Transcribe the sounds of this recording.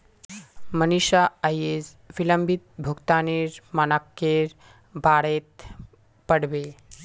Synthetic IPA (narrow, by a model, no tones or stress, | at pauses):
məniʃaəjed͡z | ʋiləmbʱit̪̚bʱukt̪aːniːɾmənakːeɾ | baɽet̪ | pəɽbe